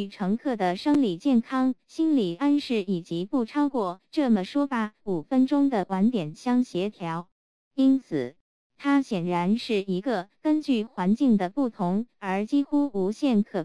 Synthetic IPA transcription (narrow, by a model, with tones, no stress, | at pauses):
y˨˩ʈ͡ʂʰɤ˧˥ŋkʰɤ˥˩d̪ə˩ʂɤ˥ŋli˨˩t͡ɕjɛ˥˩nkʰɑ˥ŋɕi˥nli˨˩a˥nʂɻ̩˥˩i˨˩t͡ɕi˧˥pu˥˩ʈ͡ʂʰɑ˥ʊkwɔ˥˩ʈ͡ʂɤ˥˩mə˩ʂwɔ˥fa˧˥u˨˩fə˥nʈ͡ʂʊ˥ŋd̪ə˨kwa˧˥nt̪jɛ˨˩nɕjɑ˥ŋɕjɛ˧˥t̪ʰjɑ˧˥ʊ | i˥nt͡sʰɹ̩˨˩˦ | t̪ʰa˥ɕjɛ˨˩nɻa˧˥nʂɻ̩˥˩i˧˥ɡə˧kə˥nt͡ɕy˥˩xwa˧˥nt͡ɕi˥˩ŋd̪ə˩pu˥˩t̪ʰʊ˧˥ŋə˞˧˥t͡ɕi˥xu˥u˧˥ɕjɛ˥˩nkʰɤ˨˩